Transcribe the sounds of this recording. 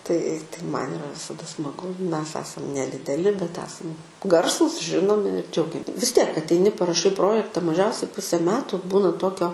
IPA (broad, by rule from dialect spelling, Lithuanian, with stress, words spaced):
tɐɪ tɐɪ ˈmɐn ɪˈrɐ ʋʲɪsɐˈdɐ smɐˈɡʊ ˈmʲɛs ˈæːsɐm nʲɛdʲɪdʲɛˈlʲɪ bʲɛt ˈæːsɐm ˈɡɐrsuːs ˈʒʲɪnoːmʲɪ ɪr ˈd͡ʒʲɛʊɡʲɛm ʋʲɪs ˈtʲiɛk ɐtʲɛɪˈnʲɪ pɐrɐˈʃɐɪ ˈproːjɛktɐ mɐˈʒʲɛʊsʲɛɪ ˈpʊsʲeː ˈmʲæːtʊ ˈbuːnɐ ˈtoːkʲoː